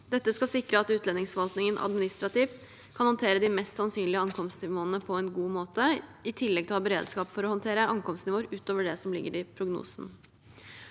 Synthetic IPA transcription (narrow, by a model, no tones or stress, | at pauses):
d̪ɛt̪ːəskɑsɪkɾəɑt̪ʉːt̪lɛnɪŋsfɔʋɑlt̪nɪŋənʔɑ̰d̪mɪnɪst̪ɾɑt̪iːf | kʰɑnhɑnt̪ʰeːɾəd̪ɪmɛst̪sɑnsyːnlɪəɑŋkʰɔmst̪nɪʋoːənəpʰɔɛnɡuːmoːt̪əɪt̪ʰɪlːɛɡt̪ʰɪlhɑːbəɾḛːd̪skɑːpfɔɾɔhɑnt̪ʰeːɾəɑŋkɔmst̪nɪʋoːəɾʉːt̪oːʋəɖɛsɔmlɪ̰ɡːəɾɪpʰɾʊɡnṵːsn̩